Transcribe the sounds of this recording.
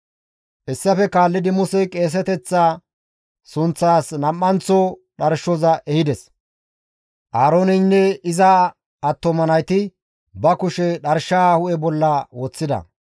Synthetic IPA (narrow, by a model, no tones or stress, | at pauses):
ʔɛsːɐfɛkaːlːɪd̪ɪmʊsɛjkʼe̞ːs̬ɛt̪ɛt͡sːaː | sʊnt͡sːaːsnɐmːɐnt͡sɔɗɐɾʃɔzɐʔɛhɪd̪ɛs | ʔaːɾoːnɛnːɛɪzɐ | ɐt̪ːɔmɐnɐjt̪ɪ | bɐkʊʃɛɗɐɾʃahʊʔɛbɔlːɐwɔt͡sːɪd̪ɐ̰